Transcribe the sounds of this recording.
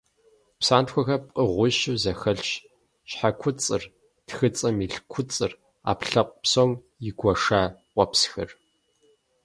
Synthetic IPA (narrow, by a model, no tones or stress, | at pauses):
psaːntxʷɔxɐp̚ʼqʼəʁʷʊʃɨwzɐxɐɬʃ | ɕħakʷʰʊt͡sʼɨr | txɨt͡sʼɐmiɬkʷʰʊt͡sʼɨr | a̰ːpɬɐqʷpsom | jɪɡʷɔʂaːqʷɔpsxɨr